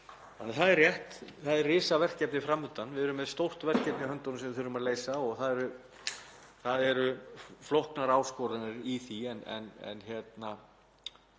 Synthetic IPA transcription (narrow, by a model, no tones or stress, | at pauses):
anaθaðɛrːjɛht̪θaðɛrɪːsavɛr̥cɛpnɪfɾamːʏt̪anvɪðɛɾʏmːɛðst̪owr̥t̪vɛr̥cɛpnɪhœnt̪ɔnsɛmvɪθʏɾʏmaðleːjsaɔɣθaðɛɾʏ | θaðɛɾʏflɔhknaɾaːwskɔɾanɪɾiθiɛnɛ̰nɛ̰nçjɛt̪na